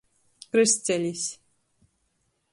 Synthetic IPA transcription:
kɾɨst͡sɛlʲis

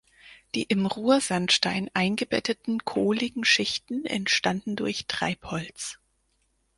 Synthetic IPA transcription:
d̥ḭːʔɪmʁuːɐzanʃtaɪnʔaɪnɡəbɛ̰tʰətn̩kʰoːlɪɡŋ̩ʃɪçtn̩ɛ̰ntʃtandn̩dʊɐçtʁ̥a̰ɪphɔlt͡s

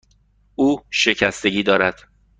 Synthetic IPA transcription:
ʔuːʃe̞cʰæst̪e̞ɟiːd̪ɒːɾæd̪̥

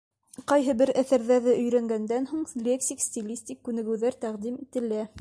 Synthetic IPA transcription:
qɑjɦɤbɘɾæθæɾðæðɘʔɵ̆jɾæŋɡænd̪ænɦuɴlʲeksʲiksʲt̪ʲilʲisʲtʲikːʉnɘ̆ɡɘ̆wðæɾt̪æqd̪imit̪ɘ̆læ

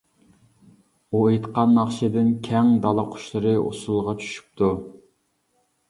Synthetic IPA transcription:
uet̪qɑnːɑχʃɪd̪ɪnkʲʰɛŋd̪ɑlˠɑqʰʊ̥ʃlˠɨɾɨo̰sulˠʁɑt͡ʃʰy̥ʃy̥p̚t̪ʰu

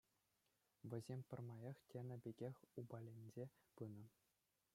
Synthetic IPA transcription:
ʋʲɘ̆zʲemʲpʲɤ̆rmɑjɑχtʲenʲɘ̆bʲeɡʲexʲubɑlʲenʲd͡ʑʲepɯnɤ̆

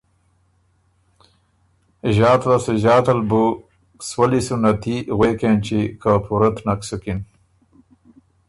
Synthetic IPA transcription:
ʒɑːt̪laseʒɑːt̪albu | swalisunat̪iɣwekent͡ʃikʰapʰuɾat̪naksukin

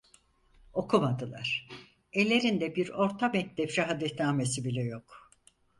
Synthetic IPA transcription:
o̞kʰumad̪ɯlˠa̰ɾ̥ | e̞lʲːe̞ɾind̪ɛbiɾo̞ɾt̪ʰamɛk̚t̪ɛpʃaɦad̪ɛt̪naːmesibilʲɛjo̞k

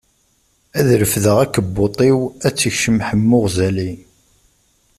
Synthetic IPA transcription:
æðɾəfðəʁækːəbːot̪ˤiwæt͡sːəçʃəmħəmːʊʁzæli

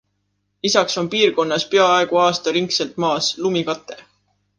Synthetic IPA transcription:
lisɑkso̞mpiːrko̞nːɑspeɑɑeɡ̥uɑːst̪ɑɾiŋkse̞lt̪mɑːslumikɑt̪ˑːe̞

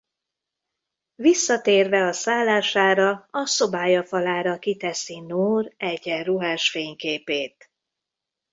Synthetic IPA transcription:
visːɒt̪eːrvɛɒsaːlːaːʃaːɾɒɒso̞baːjɒfɒlaːɾɒkit̪ɛsinoːrɛɟɛruɦaːʃfeːɲkeːpeːt̪̚

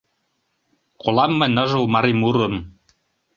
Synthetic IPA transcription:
qʰolˠɑmːɘ̆nʲɤ̆ʒɤ̆lmɑɾimuɾɤ̆m

